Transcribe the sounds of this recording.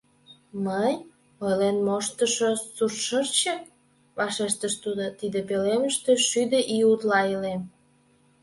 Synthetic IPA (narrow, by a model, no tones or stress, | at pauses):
məj | olenmoʃt̪əʃosurʃərt͡ɕək̚ | βɑʃeʃt̪əʃt̪ud̪ot̪id̪epeleməʃt̪eʃyd̪eʔiut̪lɑilem